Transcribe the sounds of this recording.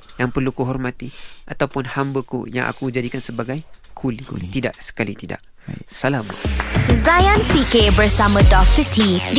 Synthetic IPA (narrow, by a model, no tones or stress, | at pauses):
jaŋpərlukuɦɔrmat̪iʔat̪awpʊnhambəkṵja̰ŋʔa̰kud͡ʒadikansəbaɡajkʰulit̪ida̰ʔsə̥kalḭt̪ida̰ʔ | səlama̰zajanfikebərsamə̃dɔft̪ət̪ʰid